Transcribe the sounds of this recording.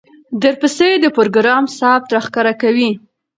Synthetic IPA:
d̪əɾpased̪əpoɾɡɾɑmsɑp̚t̪ɾaxkaɾakawi

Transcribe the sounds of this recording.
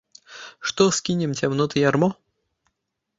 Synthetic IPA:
ʂt̪ɔskʲinʲɪmtʲɛmnɔt̪ɨjarmɔ

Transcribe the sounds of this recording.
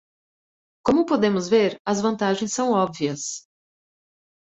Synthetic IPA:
kõmʊpod̪ẽmʊzveɾɐzvɐ̃nt̪aʒẽj̃sːɐ̃w̃ɔbviɐs

